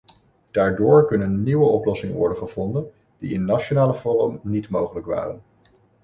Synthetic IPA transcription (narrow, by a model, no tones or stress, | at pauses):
d̥aːɹdʊːɹkɵnənːiʋəɔplɔsɪŋəʋɔ̰ɹdəχəv̥ɔndən | d̥ḭɪnːat͡ʃonaːləvɔrə̰mnitmowχələkʋa̰ːrən